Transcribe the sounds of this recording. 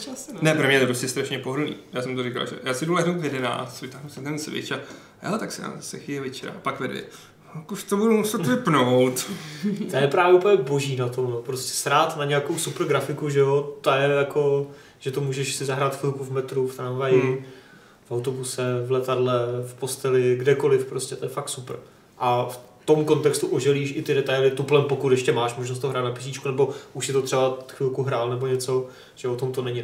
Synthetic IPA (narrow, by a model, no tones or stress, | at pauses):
asnɛpɾomɲɛt̪opɾoscɛst̪ɾaʃɲɛpoɦd̩nḭːjaːsɛmt̪orɪka̰lʒɛ̰jaːsɪdulaɦnowt̪jɛdɛna̰ːt͡st̪vɪt̪aːɦnusɪt̪ɛnsvɪ̰t͡ʃa | hɛ̰lɛt̪aksɪa̰zasɛxɪɛvɛt͡ʃɛɾa̰pakvɛdvjɛ̰ | kuʃt̪obudumusɛt̪vɪpnowt̪t̪ajɛpɾaːvjɛʔupəɲɛbo̞ʒiːnat̪o̞mnopɾoscɛ̥sɾaːt̪naɲɛjakowsupr̩ɡɾafɪkuʒɛo̞t̪ojɛjako̞ | ʒ̥ɛt̪o̞muːʒɛʃsɪzaɦɾaːt̪xɪlkuvmɛt̪ɾuft̪ɾanvajɪ | fʔawt̪o̞busɛvlɛt̪adlɛfpo̞st̪ɛlɪɡdɛko̞lɪfpɾoscʲɛt̪ojɛfakt̪supr̩ | ʔaf | t̪o̞mko̞nt̪ɛkst̪uʔoʒɛliːʃʔɪt̪ɪdɛt̪ajlɪt̪uplɛmpokut̪jɛʃcɛmaːʃmoʒnost̪oɦɾaːt̪napɪsiːt͡ʃkunɛbo̞ʔuʃsɪt̪ot̪r̥ɛbaxvɪlkuɦɾaːlnɛbo̞ɲɛt͡so̞ | ʒ̥ɛot̪o̞mt̪onɛɲɪ